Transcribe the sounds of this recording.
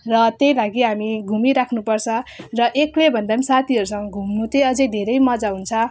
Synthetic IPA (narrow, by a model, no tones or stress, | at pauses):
rʌt̪jejlaɡiɦamiɡʱumiɾakʰnupʌrt͡sʰʌ̃rʌʔeklebʱʌnd̪amisat̪ʰiʌɾusʌŋɡʌɡʱumnut̪eʌd͡zʌjd̪ʱeɾʌjmʌd͡zaɦunt͡sʰʌ